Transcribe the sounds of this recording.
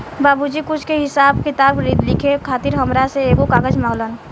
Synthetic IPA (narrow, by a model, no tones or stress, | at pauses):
baːbud͡ʒikʊt͡ʃʰkeɦɪsaːbkɪt̪aːbɾid̪lɪkʰekʰaːt̪ɪɾɦəmɾaseeːɡokaːɡəd͡ʒmaɡlən